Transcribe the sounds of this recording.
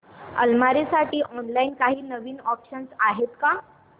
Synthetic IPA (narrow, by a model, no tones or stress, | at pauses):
ə̰lmaɾesaʈiːʔɔnlainkaɦiːnəʋiːnɔpɕənsaɦet̪ka